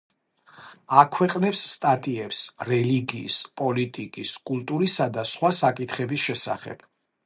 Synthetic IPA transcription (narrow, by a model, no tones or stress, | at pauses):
akʰwɛqʼnɛpsːt̪ʼat̪ʼiɛpsɾɛliɡiːspʼɔlit̪ʼikʼiskʼulˠt̪ʼuɾisad̪asχwasakʼit̪ʰχɛbisʃɛsa̰χɛ̰b̥